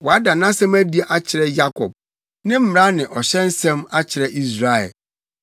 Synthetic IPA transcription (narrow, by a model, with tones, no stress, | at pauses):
wɔ˨a˦da˨nã˦sɛ̃˦mæ˦di˨a˨ʔa˦t͡ɕʰɪ˨ɾɛ˦ja˦kʰɔ˨b̚ | nɪ̃˦m̩˦m˨ɾa˦nɪ̃˨ʔɔ˨ɕɛ̃˦n̩˦sɛ̃˦ma˦t͡ɕʰɪ˨ɾɛ˦ʔi˦s̬ɾa˨ɛ̰˨l